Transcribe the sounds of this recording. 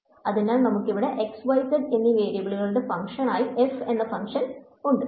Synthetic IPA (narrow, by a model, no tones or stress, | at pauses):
ɐðinaːlnɐmukːiʋiɽe̞ʔeksʋɐjsɐɖenːiʋe̞ːɾjɐbɐɭiɣɐɭuɽe̞fɐŋkʂɐnaːjiefe̞nːɐfɐŋkʂɐn | uɳɖɨ